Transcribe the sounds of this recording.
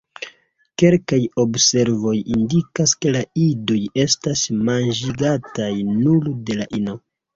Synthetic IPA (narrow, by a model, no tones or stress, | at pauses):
ke̞lkajo̞bse̞ɾvo̞jindikaske̞laido̞je̞stasmand͡ʒiɡatajnulde̞laʔino̞